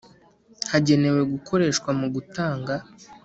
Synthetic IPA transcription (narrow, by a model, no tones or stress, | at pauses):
haɟe̞ne̞we̞ɡuko̞ɾe̞ːʃkwamuɡutaːŋɡa